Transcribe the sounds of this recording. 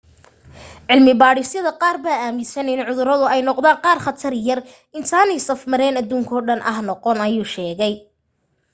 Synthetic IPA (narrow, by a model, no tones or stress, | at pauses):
ʕɪlmɪbaːɽɪsjɐðɐqɑːrbaːaːmɪsɐnɪnʕʊðʊɾɐðʊɛjnɔqðaːɴqɑːrχɐt̪ʰɐrjɐr | ɪnt̪ʰaːnɛjsɐfmɐɾɛːnɐðuːŋkʰɔːɖɐnʔɐ̰hnɔqɔnɐjuːʃɛːɣɛj